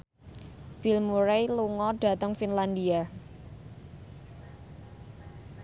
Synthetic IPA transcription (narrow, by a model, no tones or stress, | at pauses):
b̥ilmuɾejluŋɔɖ̥ä̤t̪əŋfinland̪ia